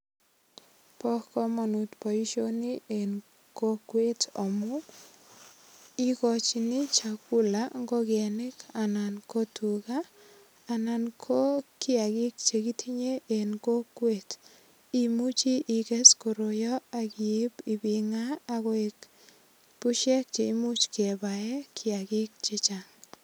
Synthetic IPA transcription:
pɔ˦hkɔ˦ma˨nu˨tpɔ˨i˦ʃo˦ni˦e˨n | ko˦kwe˦tɔ˨mʊ˦ | i˦kɔ˨t͡ʃini˦t͡ʃa˨ku˦laŋɡo˦ɡɛ˨nɪ˦ka˨na˨nko˦tukaː˦˨ | na˨nkʰo˦kɪ˦a˨kɪ˦k̚t͡ʃe˨ɡi˦tʰi˦ɲe˦ʔe˨nko˦kwe˦t | i˨mu˦t͡ʃi˦ʔi˨kɛ˦sko˨ɾo˨jɔ˦a˨ki˨ɪ˦bi˨bi˨ŋaː˦˨kɔe˨k | pu˦ʃɛ˦k̚t͡ʃe˨i˦mu˦t͡ʃke˨ba˨ɛ˦kʰɪa˨ɡɪ˦k̚t͡ʃe˦t͡ʃaŋ

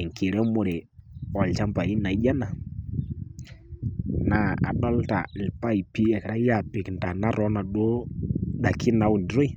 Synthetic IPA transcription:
ɛ˨ŋ˨kʰi˨ɾɛ˦mo˨ɾe˨ɔ˨lt͡ʃa˦mba˨ɾi˦na˨i˦d͡ʒa˦na˨ | na˨˦a̰˨ɗɔ˦lta̰˨lpa˦i˨pi˦ɛ˨kɾa˦ja˨pɪ˨knda˨na˦ɾɔ˨˦na˨ɗo˦ɗa˨kʰi˦na˨˦wu˨ndɾo˦i˦˨

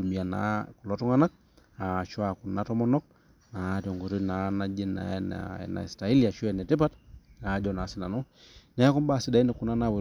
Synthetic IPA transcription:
u˨mi˨a˨na̰ku˨lɔtu˦ŋa˦na˦k̚ | a˨t͡ʃɔ˦a˨ku˨nːa˦tɔ˦mɔ˦nɔ˦k̚ | na˨tjɔ˨ŋɡɔ˨ɾi˦na˨na˦d͡ʒi˦na̰ɛna̰na̰˨i˨sta˨i˦lia˨ʃu˦ɛnɛ˨ti˦patna˨˦d͡ʒɔna˨si˨na˨nu˦ | ɲa˨˦ɛ˦kɔ˦mbasida˨i˦nɛ˨ku˨na˦nawu˨

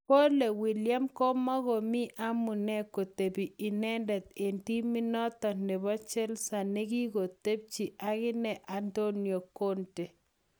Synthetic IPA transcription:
po˦le˨wi˨lja˦mkɔ˦mɔ˦ɣɔ˨mi˦ʔa˦mu˨nɛ˦ko˨t̪e˨biː˨nɛ˦ndɛ˨t̪̚e˨nti˦mi˦nɔ˦t̪ɔ˨ne˨bɔ˦t͡ʃɛ˦lsa˨ne˦ɡi˦ko˨t̪e˦b̚t͡ʃi˨ʔa˦kɪ˦nɛ˨ʔa˨ndo˦njo˨ko˦nte˨

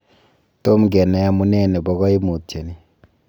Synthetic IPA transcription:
to˦mɡɛ˨nɛ˨a˦mu˦nɛ˦˨nɛ˨bɔ˨ɣɔ˦i˦mu˨te˨ni˨

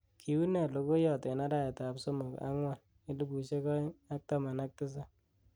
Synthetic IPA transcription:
kʰi˨wu˦nɛ˨lo˨ko˦jɔ˨tɛ˨na˦da˦˨e˨ta˨pso˦mo˨ka̰˦ŋwa˨n | i˦lu˦ku˨ʃe˦kɔ˦a˦k̚ta˦ma˨na˦k̚tɪ˦s̬a˦

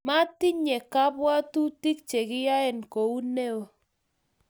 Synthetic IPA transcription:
ma˦ti˦ɲɛ˨ka˦bwa˦tu˦ti˦k̚t͡ʃe˨kɪ˦ja˦ɛ˨nko˨u˦ne˦wo˨

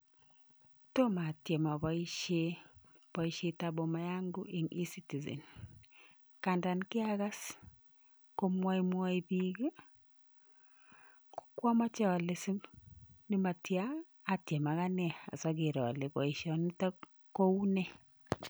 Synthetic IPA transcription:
to˦ma˨tje˨ma˨βɔ˨i˦ʃe˦ | pɔ˨i˦ʃe˦ta˦bo˨ma˨ja˦ŋɡu˦i˨ŋi˦si˦ti˨zḛ˨n | ka˨nda˨nkɪ˦aɣa˦s | ko˦mwa˦i˦mwa˦i˦bi˦ɡ | ko̥˦kwɔ˦ma˦t͡ʃa˦ɔ˨le˨si˦nɪ˦ma˨tjaː˦˨ | tje˨ma˨ɣa˦nɛ˦a̰˨sɔ˦ɡɪ˨ɾɔ̰˨le˨bɔ˨i˨ʃɔ˨nɪ˦ta˦ | ko˦u˦nɛ˦

